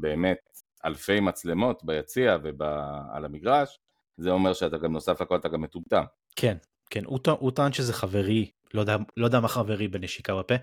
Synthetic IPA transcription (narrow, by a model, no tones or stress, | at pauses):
be̞ːme̞t̪ | a̰lfe̞jmat͡sle̞mo̞t̪bajat͡siaveba̰ːlamiɡʁaʃ | zeo̞meʁʃeat̪aɡamno̞safakolat̪aɡamːetumt̪am | kʰen | kʰenʔutaʔutanʃezeχave̞ʁi | lo̞d̪alo̞d̪amaχave̞ʁibeneʃikabape